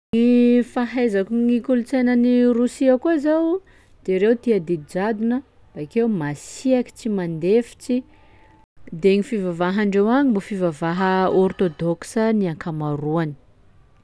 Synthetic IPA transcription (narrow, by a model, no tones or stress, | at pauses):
ŋifaɦajzakuŋikulut͡sejnənirusiəkuizaw | d̪̥eɾewt̪iad̪id̪id͡ʒad̪unə | b̥aakewmasiaki̥t͡simand̪efi̥t͡si | d̪eŋifivavaɦaɳɖ͡ʐewaɲimbofivavaɦəɔrt̪od̪ɔksəniaŋkamaɾuani̥